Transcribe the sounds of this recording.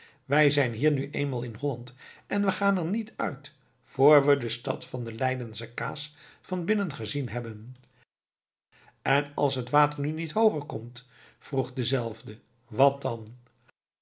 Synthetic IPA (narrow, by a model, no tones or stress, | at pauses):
ʋɛjzɛjnɦiːɹnyʔejnmaːlˠɪnɦɔlɑntʔɛnʋəχaːnɛɹnitœ̰ɥt | foːɹʋədəstɑ̰tfɑndəlɛjdənsaka̰ːsfɑnbɪnənχəzinɦɛbən | ɛnɑ̰lˠsɦətʋaːtəɹnynitɦowχəɹkɔmt | fruχdəzɛlˠvdə | ʋɑt̚dɑn